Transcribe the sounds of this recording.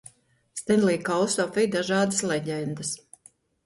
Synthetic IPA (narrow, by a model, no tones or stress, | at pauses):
st̪ɛnlˠiːkawsɔfijd̪aʒɑːd̪əslɛɟʲɛnd̪əs